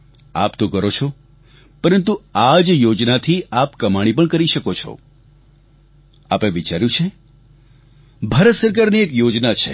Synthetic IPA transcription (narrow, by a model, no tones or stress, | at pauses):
a̰pt̪õkəɾot͡ʃʰɔ | pəɾənt̪uad͡ʒjod͡ʒnat̪ʰiapkəmaɽ̃ipəɳkəɾiʃəkot͡ʃʰɔ̰ | a̰peʋit͡ʃaɾjũt͡ʃʰe | bʱaːɾət̪səɾk̬aɾniekjod͡ʒnat͡ʃʰḛ